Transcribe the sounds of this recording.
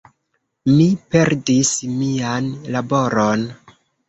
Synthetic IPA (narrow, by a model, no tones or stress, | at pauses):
mipe̞ɾdismianlabo̞ɾon